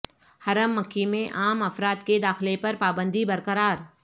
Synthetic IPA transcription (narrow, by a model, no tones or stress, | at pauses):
hɐɾəmːɐkːimẽʔaːmɐfɾaːt̪ked̪aːxlepɐɾpaːbə̃nd̪ʱibɐɾkəɾaːɾ